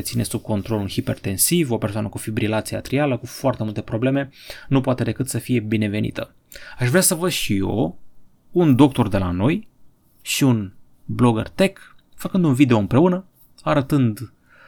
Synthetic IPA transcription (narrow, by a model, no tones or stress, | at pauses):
t̪sine̞sub̚ko̞nt̪ɾo̞lulhipe̞rt̪e̞nsivo̞persoanə̰kufibɾilat̪sia̰t̪ɾialəkufoart̪e̞mult̪epɾo̞ble̞me̞nupoat̪e̞d̪e̞kɨt̪səfije̞bine̞ve̞nḭt̪ʰə | aʃvɾeasəvəd̪ʃijo̞̰ | und̪o̞k̚t̪o̞rd̪e̞lano̞j | ʃiun | blo̞ɡə̰rt̪e̞k | fəkɨnd̪unvid̪e̞o̞ɨmpɾe̞unə | aɾət̪ɨnd̪